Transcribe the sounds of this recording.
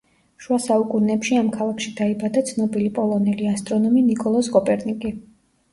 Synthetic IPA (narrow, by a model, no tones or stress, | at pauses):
ʃuasaukʼunɛpʃiamkʰalˠakʰʃid̪aibad̪at̪sʰnɔbilipʼɔlˠɔnɛliast̪ʼɾɔnɔminikʼɔlˠɔskʼɔpʼɛɾnikʼi